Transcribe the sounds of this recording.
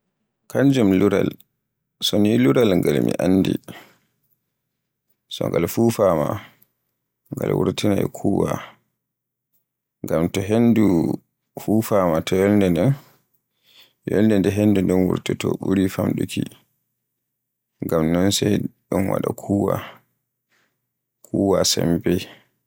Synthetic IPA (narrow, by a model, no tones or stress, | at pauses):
kaɲd͡ʒumluɾal | sɔniluɾalŋɡalmḭʔanːdḭ | sɔŋɡalfuːfaːma | ŋɡalwuɾtinajɛkʰuːwa | ŋɡamtɔɦendu | fufaːmatʰɔjɔlndɛndɛn | jɔlndɛndɛɦenːdundɔnwuɾtɛtɔɓuɾifamɗukʰi | ŋɡamnɔnsɛɗunwa̰ɗakʰuːwa | kʰuːwasɛmbɛ